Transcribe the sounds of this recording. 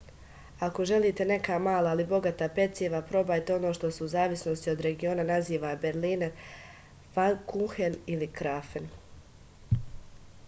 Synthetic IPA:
ako̞ʒe̞liːt̪e̞ne̞kamaːlˠaːlibo̞ɡat̪ape̞t̪seʋapɾo̞baːjt̪eo̞no̞ːʃt̪o̞seuzaːʋisnost̪io̞d̪ɾe̞ɡio̞ːnanaziːʋabe̞ɾliːnaɾ | fankuxenilikɾafen

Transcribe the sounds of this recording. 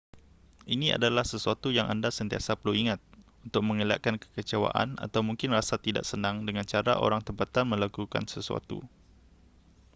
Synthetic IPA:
ʔinĩa̰dalahsəsuat̪ujaŋʔa̰ndasənt̪iasapəluiŋãt̪̚unt̪ʊk̚mə̃ŋəla̰ʔ̚kankə̥kət͡ʃawa̰ʔa̰na̰t̪awmũŋkɪnrasat̪ida̰ʔsənãŋdəŋãnt͡ʃaɾa̰ʔo̰ɾaŋt̪əmpat̪anmə̃lakuka̰nsəsua̰t̪ṵ

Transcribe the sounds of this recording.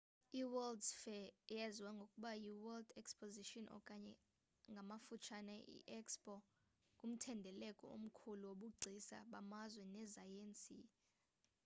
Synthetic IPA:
iwɛldsfɛjɛziwaŋɡʱokʼuɓajiwɛldɛkspʰʼoziʃɔnʔɔ̰kʼaɲɛ | ŋɡʱamafut͡ʃʰanaʔḭʔɛkspʼɔ | kʼum̩tʰɛndʱɛlɛkʼɔ̰o̰m̩kʰuluwoɓuɡ͡ǀʱisa̰ɓamazwɛnɛzajent͡sʼḭ

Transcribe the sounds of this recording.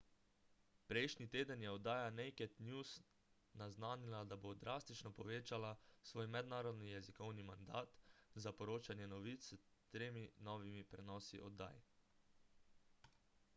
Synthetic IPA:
pɾɛjʃnit̪eːd̪ənjɛɔd̪ːaːjanɛjkɛt̪njus | naznaːnilad̪abod̪ɾʔaːst̪it͡ʃnɔpɔʋeːt͡ʃalasʋoːjmɛd̪naːɾɔd̪nijɛzikɔwnimand̪aːt̪zapɔɾoːt͡ʃanjɛnɔʋit̪st̪ɾeːminɔːʋimipɾɛnɔːsḭʔɔd̪ːa̰ːj

